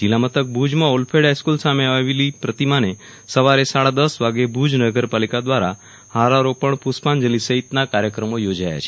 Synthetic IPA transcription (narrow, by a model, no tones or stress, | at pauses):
d͡ʒilamət̪ək̚bʱud͡ʒmãolpʰeɖajskulsameaʋilipɾət̪imane | səʋaɾesaɽad̪əsʋaɡebʱud͡ʒnəɡəɾpalikad̪ʋaɾa | haɾaɾopəɳpuspand͡ʒəlisəɦit̪nakaɾjəkɾəmojod͡ʒaja̰t͡ʃʰe̥